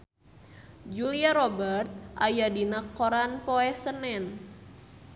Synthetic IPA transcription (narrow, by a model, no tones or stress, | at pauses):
d͡ʒuliaɾobərt̪̚ʔajadinakːoɾanpoɛsənɛn